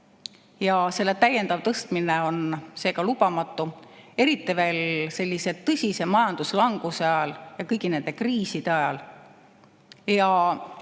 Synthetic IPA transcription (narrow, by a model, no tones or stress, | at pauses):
jɑse̞lːe̞t̪æjːe̞nd̪ɑvt̪ɤst̪mineo̞nse̞ːkɑlub̥ɑmɑt̪ːˑue̞ɾit̪ːˑive̞ːlse̞lʲːise̞t̪ːɤsʲise̞mɑjɑnd̪uslɑŋɡ̥useɑjɑljɑkɤjɡine̞nd̪̥e̞kriːsid̪̥e̞ɑjɑ̰l | jɑ